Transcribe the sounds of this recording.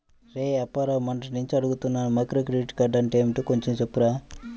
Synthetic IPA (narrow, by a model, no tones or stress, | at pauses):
ɾeɐpːɐɾɐmɐɳʈɐnuɲt͡ʃiɐɽuɡut̪unːaːnumɐjkɾoːkɾeɖiʈkɐɖɐnʈɐjmʈuːkoɲt͡ʃemt͡ʃepːuɾaː